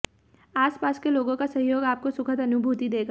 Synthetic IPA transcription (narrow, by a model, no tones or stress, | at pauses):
aːspaːskeloːɡõkasɐɦjoːɡaːp̚kosʊkʰət̪ɐnʊbʱuːt̪id̪eːɡa